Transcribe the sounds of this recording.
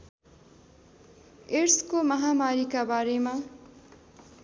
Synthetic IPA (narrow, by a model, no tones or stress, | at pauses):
eɾskomʌɦamaɾikabaːɾemã